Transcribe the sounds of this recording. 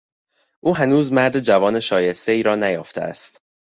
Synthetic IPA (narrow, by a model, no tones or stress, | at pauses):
ʔuːɦænuːzmæɾd̪ed͡ʒævɒːne̞ʃɒːje̞st̪e̞iːɾɒːnæjɒːft̪ʰḛæ̰st̪